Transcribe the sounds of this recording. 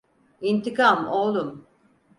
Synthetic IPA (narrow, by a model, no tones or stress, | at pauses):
int̪ʰikamolˠum